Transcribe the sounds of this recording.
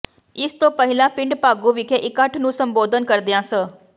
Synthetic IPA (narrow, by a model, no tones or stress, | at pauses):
ɪst̪opɐɦɪlãpɪ̃ɳɖpaːɡuʋikʰeʔɪkəʈʰnũsɐ̃mboːd̪ʱənkɐɾd̪ijãsə